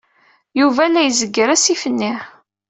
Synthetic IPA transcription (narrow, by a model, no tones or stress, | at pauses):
juvælːæjəzəɡːəɾæsifənːiħ